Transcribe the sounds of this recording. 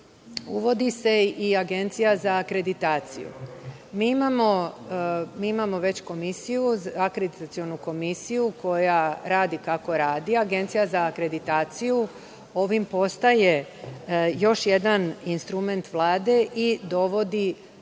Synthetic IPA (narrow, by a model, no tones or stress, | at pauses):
ṵʋo̞d̪ise̞iaɡe̞nt̪sijazaːkɾe̞d̪it̪aːt̪sḭjṵ | miːimamo̞ | miːimamo̞ʋe̞t͡ɕko̞misijuzakɾed̪it̪at̪sio̞nuko̞misijuko̞jaɾaːd̪ikako̞ɾaːd̪iaɡe̞nt̪sijazaːkɾe̞d̪it̪aːt̪siju | o̞ʋimpo̞st̪aje̞ | jo̞ʃje̞d̪aninst̪ɾume̞nt̪ʋlˠaːd̪e̞ʔid̪o̞ʋo̞d̪i